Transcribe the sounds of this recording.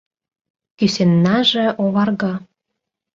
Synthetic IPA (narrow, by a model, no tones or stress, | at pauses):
kysenːɑʒĕʔoβɑrɣɑ